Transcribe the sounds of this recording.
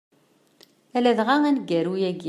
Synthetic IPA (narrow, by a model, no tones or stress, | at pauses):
ælæðʁaænɡːæɾujæɡi